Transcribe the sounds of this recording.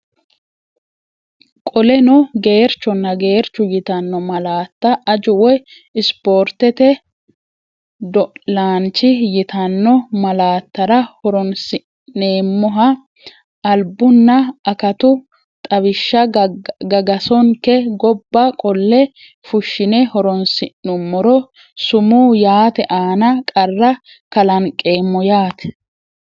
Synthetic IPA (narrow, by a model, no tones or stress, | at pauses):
kʼɔlɛnɔɡe̞ːɾt͡ʃːɔnːɐɡe̞ːɾt͡ʃːʊjɪt̪ɐnːɔmɐlaːt̪ːɐʔɐd͡ʒʊwɔj | ɪspo̞ːɾt̪ːɛt̪ɛ | d̪ɔlaːnt͡ʃːɪjɪt̪ɐnːɔmɐlaːt̪ːɐɾɐhɔɾɔnsɪ | ne̞ːmːɔɦɐː | lbːʊnːɐɐkɐt̪ʊ | t̪ʼɐβɪʃːɐɡɐɡɐsɔŋkɛɡɔbːɐkʼɔlːɛ | fʊʃːɪnɛhɔɾɔnsɪnːʊmːɔɾɔ | sʊmuːjaːt̪ɛʔaːnɐkʼɐrːɐ | kɐlɐnkʼe̞ːmːɔjaːt̪ɛ̥